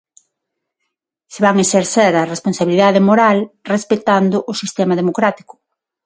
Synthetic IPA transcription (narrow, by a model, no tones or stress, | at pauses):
seβaŋeʃeɾseɾɐresponsaβiliðaðemoɾalrespet̪and̪ʊʔʊsist̪ɛmɐðemokɾat̪i̥kʊ̥